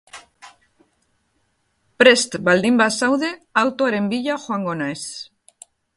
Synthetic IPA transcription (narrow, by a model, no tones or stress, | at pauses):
pɾest̪bald̪imbasawðeawt̪oaɾembiʎaxwaŋɡonaes